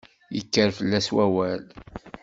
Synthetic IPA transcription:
jə̰kːəɾfəlːæswæwæl

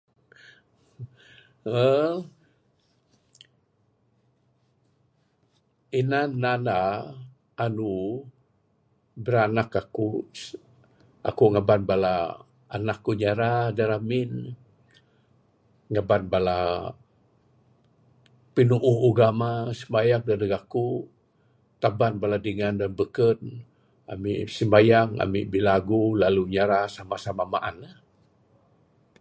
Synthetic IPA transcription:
ə | inanana | anu | bəɾanakaku | ʔa̰kuŋabanbala | anakːuɲaɾadaɾamin | ŋabanbala | pinuʔːhuɡamasəmbajaŋ̚dadəɡaku | t̪abanbaladiŋandanbəkən | a̰mḭʔsəmbajaŋa̰miʔbilaɡulaluɲaɾasamasamamaʔa̰na

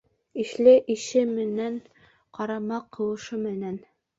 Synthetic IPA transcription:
iʃlɘʔiʃɘmɘ̆næɴ | qɑɾɑmɑqʰːɤ̆wɤ̆ʃɤmɘ̆næn

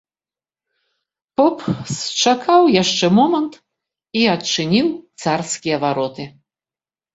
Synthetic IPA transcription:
pɔpst͡ʂakʰawjaʂt͡ʂɛmɔmɐnt̪ | iɐt͡ʂɨnʲiwt̪sarskʲijɐvaɾɔt̪ɨ

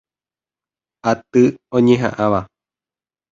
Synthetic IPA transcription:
at̪ɨõɲẽɦã̰ʔãʋa

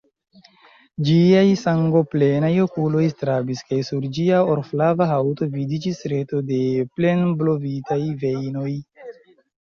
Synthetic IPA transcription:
d͡ʒiajsaŋɡo̞ple̞najo̞kulo̞jstɾabiskajsuɾd͡ʒiaoɾflavaɦawto̞vidid͡ʒisɾe̞to̞de̞ple̞nblo̞vitajve̞jno̞j

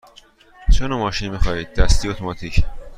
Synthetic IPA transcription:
t͡ʃʰonomɒːʃinmixɒːiːd̪̚ːæst̪iot̪ʰomɒt̪ʰicʰ

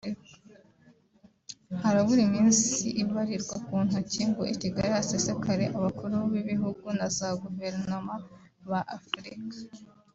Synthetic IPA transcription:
haɾaβuɾimiːnsiʔiβaɾiɾɡwakuːn̥uciːŋɡṵʔiciɡaɾihasesekaɾe̞ʔaβakuɾuβiβiɦuɡunazaɡuve̞ɾnoma | βaʔːfɾikḁ

